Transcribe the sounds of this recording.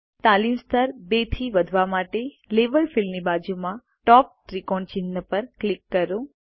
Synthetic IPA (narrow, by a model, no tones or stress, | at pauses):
t̪alimst̪ʰəɾbet̪ʰiʋəd̪ʱʋamaʈe | lebəlfilnibad͡ʒumã | ʈɔp̚ʈɾikɔɳɖt͡ʃɪnːəpəɾklikːəɾũ